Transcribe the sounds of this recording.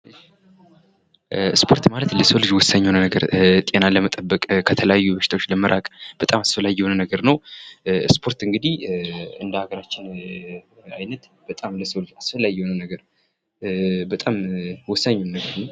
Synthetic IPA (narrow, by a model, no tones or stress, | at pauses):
ɨʃ | spʰo̞ɾt̪malət̪ləsəwlɨd͡ʒwɔsːaɲːhonənəɡəɾt̪ʼe̞naləmət̪ʼəbːəkʼkʰət̪ʰələjajːubəʃɪ̥t̪ʰawot͡ʃːləməɾʔakʼb̥ət̪ʼamasfəlːajːɪwonənəɡəɾnəw | spʰo̞ɾt̪ɨŋɡɨd̪ihɨnd̪əhaɡəɾat͡ʃːɪn | ajnət̪ | b̥ət̪ʼamləsəwlɨd͡ʒasfəlːajːhonəwnəɡəɾ | bət̪ʼamwɔsːaɲːonnəɡəɾnəw